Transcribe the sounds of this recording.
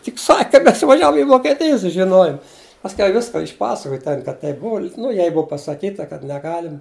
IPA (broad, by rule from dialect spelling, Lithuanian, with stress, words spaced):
tʲɪk ˈsɐkʲ kɐ ˈmʲɛs ɪʋɐˈʒʲæːʋoːm ɪ ʋoːkʲɛˈtʲɪj sʊʒʲɪˈnoːjʊm pɐsʲˈkʲɛʊ ˈʋʲɪskɐ ɪʃˈpɑːsɐkoːj ˈtʲɛn kɐt ˈtʲɛɪp ˈbʊʊ nʊ ˈjɛɪ ˈbʊʊ pɐsɐˈkʲiːtɐ kɐt nʲɛˈɡɑːlʲɪmɐ